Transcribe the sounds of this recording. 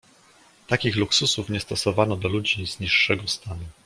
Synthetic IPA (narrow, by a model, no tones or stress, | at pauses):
t̪akʲixluksusufɲɛst̪ɔsɔvanɔd̪ɔlud͡ʑizɲiʂːɛɡɔst̪anu